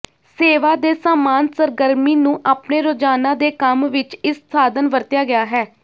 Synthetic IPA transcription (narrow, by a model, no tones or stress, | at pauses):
seːʋaːd̪eːsaːmaːnsəɾɡəɾmiːnũːʔaːpneːɾoːd͡ʒaːnãːd̪eːkəmʋɪt͡ʃɪssaːd̪ənʋəɾt̪jaːɡɪjaːɦɛː